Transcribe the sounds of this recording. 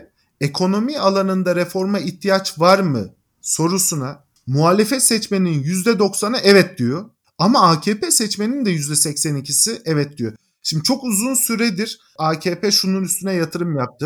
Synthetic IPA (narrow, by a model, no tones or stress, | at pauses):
e̞kʰo̞no̞mialˠanɯnd̪aɾefo̞ɾmaiçt̪ʰijat͡ʃvaɾmɯ̰ | so̞ɾusuna | muɦaːlʲefɛt̪sɛt͡ʃme̞ninjyzd̪ɛd̪o̞ksanaʔɛvɛt̪̚d̪ijo̞ | amaaːcʰeːpɛsɛt͡ʃme̞nind̪ɛjyzd̪ɛsɛcsænicʰisiʔɛvɛt̪̚d̪ijo | ʃimd̪it͡ʃʰo̞kuzunsyɾɛd̪iɾ | aːcʰeːpɛʃununyst̪ynɛjat̪ʰɯɾɯmjap̚t̪ʰɯ